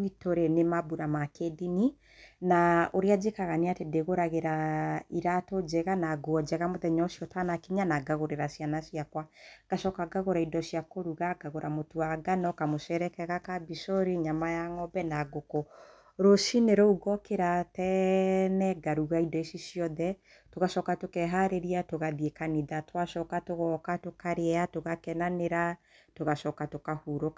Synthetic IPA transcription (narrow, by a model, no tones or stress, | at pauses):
itoɾenemabuɾamakedini | naoɾead͡ʒekaɣaneatedeɣoɾaɣeɾaiɾatod͡ʒɛɣanaɡwɔd͡ʒɛɣamoðɛɲɔʃjɔtanakiɲanaɡaɣoɾeɾasianasiakwaɡ̥aʃɔkaɡaɣoɾaidɔsijakoɾuɣaɡaɣoɾamotoaɡanɔkamosɛɾɛkɛɣakabisoɾiɲamajaŋɔbɛnaɡoko | ɾoʃineɾouɣɔkeɾatɛnɛɡaɾuɣaidɔisisjɔðɛ | toɣaʃɔːkatokɛɦaɾeɾiatoɣaðiekaniðatwaʃɔkatoɣɔkatokaɾeatoɣakɛnaneɾa | toɣaʃɔkatokahuɾoka